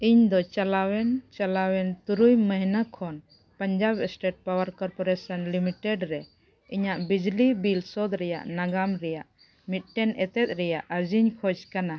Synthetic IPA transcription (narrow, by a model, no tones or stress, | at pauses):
iɲd̪ɔt͡ʃalawɛnt͡ʃalawɛnt̪uɾujməɦnakʰɔn | pəɲd͡ʒabɛsʈeʈ̚pawəɾkɔɾpɔɾɛsɔnlimiʈɛɖɾɛ | iɲaʔbid͡ʒlibilsɔd̪ɾɛja̰ʔnaɡamɾɛjaʔ | mit̪̚ˀʈɛnʔɛt̪ɛt̪̚ˀɾɛjaʔəɾd͡ʒiɲkʰɔd͡ʒkana